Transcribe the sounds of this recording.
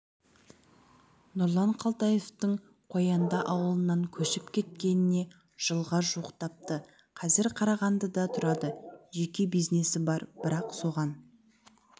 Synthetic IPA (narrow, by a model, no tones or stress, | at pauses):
nʊɾlˠɑɴqʰɑlˠt̪ɑje̞ft̪əɴ | qʰo̞jɑnd̪ɑʔɑwəlˠənɑŋkʲʰɵʃɪpkʲʰe̞t̪̚kʲe̞nɪne̞ | ʒ̥əlˠʁɑʒuəqt̪ʰɑp̚t̪ə | qʰɑzɪɾqʰɑɾɑʁɑnd̪əd̪ɑt̪ʰʊɾɑd̪əʒe̞kʲe̞bijzne̞sɪbɑɾbɪɾɑqso̞ʁɑn